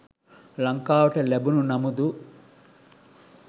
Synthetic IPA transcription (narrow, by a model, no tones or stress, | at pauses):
lɐŋkaːwɐʈɐlebununɐmud̪u